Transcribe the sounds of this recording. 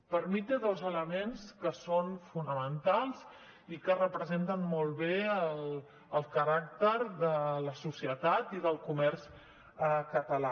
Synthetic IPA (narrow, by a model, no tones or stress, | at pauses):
pəɾmit̪eðolˠzələmenskəsonfunəmənt̪alˠz | ikərəpɾəzent̪ənmɔlˠβeəl | əlˠkəɾak̚t̪əɾðələsusiət̪at̪iðəlˠkumɛɾs | əkət̪əla